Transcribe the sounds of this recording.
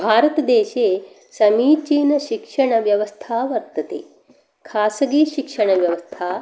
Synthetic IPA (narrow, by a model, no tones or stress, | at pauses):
bʱaːɾɐt̪ɐd̪eːʃeː | sɐmiːt͡ʃiːnɐʃikʂɐɳɐʋjɐʋɐst̪ʰaːʋɐɾt̪ɐt̪ḛː | kʰaːsɐɡiːʃikʂɐɳɐʋjɐʋɐst̪ʰaː